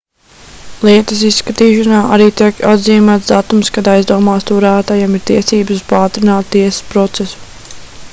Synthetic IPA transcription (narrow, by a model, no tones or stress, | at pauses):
lˠiɛt̪ɐs̬isːkat̪iːʃanaːʔaɾiːt̪iɛkad̪ziːmat̪d̪at̪umskad̪ajzd̪uɔmaːst̪uɾaːt̪ajɛmiɾt̪iɛsiːbəsuz̥paːt̪ɾinaːt̪t̪iɛsə̥spɾɔt̪sesu̥